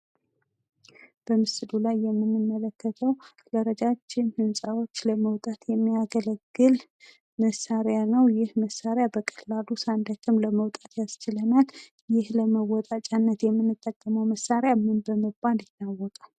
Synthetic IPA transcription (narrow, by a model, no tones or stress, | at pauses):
b̥əmɨsɨdulajːɛmːɨnːɨmːələkːət̪ʰəw | ləɾəd͡ʒat͡ʃːɪnhɨnsʼawo̞t͡ʃːləməwt̪ʼat̪ʰjɛmːiaɡələɡːɨl | məsaɾjanəwjɪhməsːaɾjabəkʼəlalusand̪at͡ʃːɪmləməwt̪ʼat̪jast͡ʃɪlənal | jɪhləməwɔt̪ʼat͡ʃʼanːət̪jɛmːɨnːɨt̪ʼːəkʼːəməwməsːaɾjamɨnbəməbanɪt̪ːawːɔt̪ʼa